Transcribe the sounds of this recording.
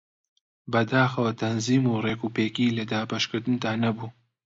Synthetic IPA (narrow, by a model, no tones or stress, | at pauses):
bɐd̪aːxɐwɐt̪ʰɐnziːmureːkuːpeːkiːlɐd̪aːbɐʃkɨɾd̪ɨnd̪aːnɐbuː